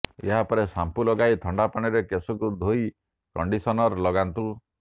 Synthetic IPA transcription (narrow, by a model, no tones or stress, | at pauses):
ḛɦapɔɾesampulɔɡajt̪ʰɔɳɖapaɽ̃iɾekesɔkud̪ʱoi | kɔɳɖisɔnɔɾlɔɡant̪u